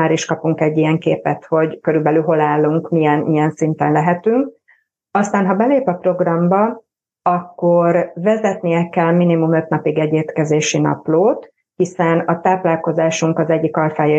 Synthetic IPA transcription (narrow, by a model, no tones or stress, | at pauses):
aːɾiʃkɒpuŋkɛɟːiɛŋkeːpɛt̪ho̞ɟkøɾylbɛlylɦo̞laːlːuŋkmijɛnijɛnsint̪ɛ̰nlɛɦɛt̪yŋk̚ | ɒst̪aːnɦɒbɛleːpɒpro̞ɡrɒmbɒ | ɒkːo̞rvɛzɛt̪nijɛkɛlminimumø̞t̪nɒpiɡɛɟeːt̪kɛzeːʃinɒ̰ploːt̪ | hisɛnɒt̪aːplaːlko̞zaːʃuŋkɒzɛɟːikɒlfaːj